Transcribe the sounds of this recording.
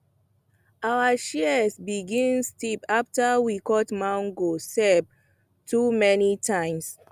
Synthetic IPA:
awaʃisbiɡĩnstipaftawikɔtmãʊ̃ŋɡosɛb̚ | tʰumɛnitʰãɪ̃ms

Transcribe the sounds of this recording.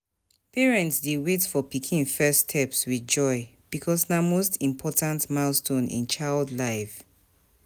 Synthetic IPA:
piɹɛ̃ntsdewetfɔpikʰĩnfɛstʰɛpswid͡ʒɔɪ | b̥ikʰɔsnamostʰĩmpʰɔtãntmastõnḭ̃nt͡ʃaɪldlaɪf

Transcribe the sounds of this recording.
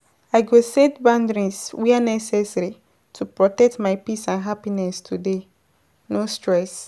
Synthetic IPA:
aɪɡosetbãndɹĩnswianɛsɛsɾi | tʰupɹɔtɛk̚tmaɪpisãnɦapinɛstʰude | nostɹɛs

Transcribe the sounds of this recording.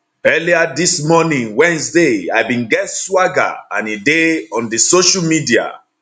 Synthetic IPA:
ɛliadismɔnĩŋwɛ̃nsdeaɪbĩnɡɛtswaɡa̰ã̰nideɔ̃ndisoʃamidia̰

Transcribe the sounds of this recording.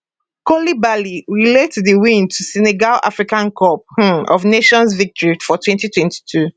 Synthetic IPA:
kɔlibaliɹiletdiwĩn̚tʰusɛneɡala̰fɹikãnkʰɔp̚hɔ̰vneʃɔ̃nsvik̚tʰɔɹifɔtʰwɛ̃ntitʰwɛ̃nti̥tʰu

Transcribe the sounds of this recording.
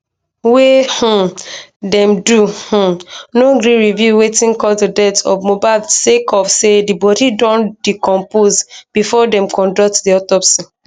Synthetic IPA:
weh̩dɛ̃mduh̩noɡɾĩɹivjuwetĩnkɔldudɛtɔ̰vmobaɪsekɔpsedibɔdidɔ̃ndikɔ̃mpozb̥ifɔdɛ̃mkɔ̃ndɔk̚tdiɔtɔpsi

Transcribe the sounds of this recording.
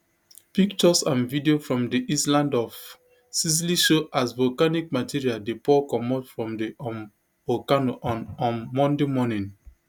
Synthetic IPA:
pikt͡ʃɔsãnvidiofɹɔ̃mdiʔislãndɔf | sis̬liʃoʔasvɔkanik̚matʰiɹialdepɔkɔmɔtfɹɔ̃mdiɔm | ɔkanoʔɔ̃nɔ̃nmɔ̃ndemɔnĩn

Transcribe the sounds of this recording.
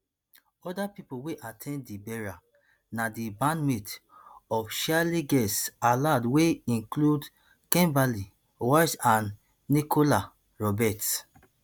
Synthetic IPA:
ɔdapipoweʔatʰɛ̃nːibɛɹa | nadibãnmetɔfʃaliɡɛsaladweĩnklud | kɛ̃mbali | wasãnː | ikʰola | ɹɔbɛt

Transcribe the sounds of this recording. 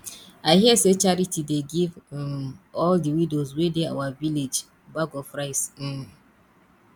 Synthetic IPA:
aɪhiəset͡ʃaɹitʰideɡiv | ɔldiwidozwedea̰waviled͡ʒ | baɡɔfɹaɪs̩

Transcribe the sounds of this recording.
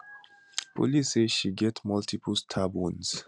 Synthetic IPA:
pṵliseʃiɡɛtmɔltʰipʰəlstʰabũns

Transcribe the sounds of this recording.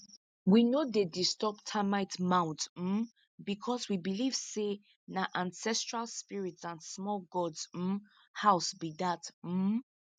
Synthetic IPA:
winodedistɔp̚tʰamaɪtmãʊ̃ntm̩ | bikʰɔswibiliv̥se | naʔãnsɛstɹalˠspiɹitsãnsmɔlɡɔds̩ | haʊsbidatm̩

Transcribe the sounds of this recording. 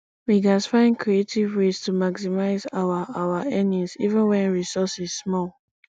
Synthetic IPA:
wiɡasfãɪ̃nkʰɹietivwez̥tʰumaksimaɪzawaawaɛnĩsivə̃nwɛ̃nɹisɔsizsmɔl

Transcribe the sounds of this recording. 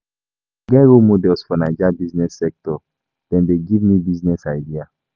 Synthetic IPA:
ɡɛɹomodɛlsfɔnad͡ʒabiznɛsːɛk̚tɔ | d̥ɛ̃ndeɡivmibiznɛsaɪdia

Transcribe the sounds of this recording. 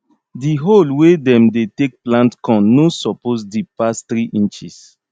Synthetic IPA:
diɦolwedɛ̃mdetek̚plãntkɔ̃nːosɔpos̬dipast̪ɾiʔĩnt͡ʃis

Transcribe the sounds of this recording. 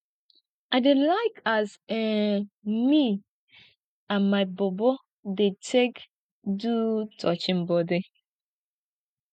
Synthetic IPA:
aɪdelaɪkazɛ | mi | ãnmaɪbɔbɔ | detʰek | dutʰɔt͡ʃɪm̩bɔdi

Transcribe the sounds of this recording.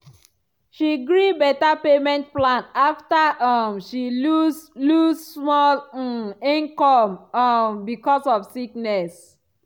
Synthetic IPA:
ʃiɡɹibɛtapemɛ̃nt̚plãnaftaʌmʃiluzlussmɔl | ĩnkɔ̃mambikɔsɔfsiknɛs

